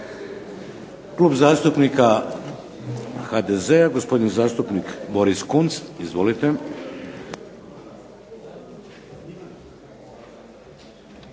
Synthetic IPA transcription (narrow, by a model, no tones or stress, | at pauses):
klˠuːbzaːst̪upnika | xaːd̪eze̞aɡospo̞d̪inizaːst̪upnikboɾiskunt̪sizʋo̞lit̪e